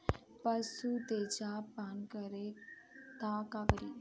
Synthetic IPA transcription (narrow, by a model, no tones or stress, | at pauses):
pəsut̪eːd͡ʒapaːnkəɾe | t̪akakəɾi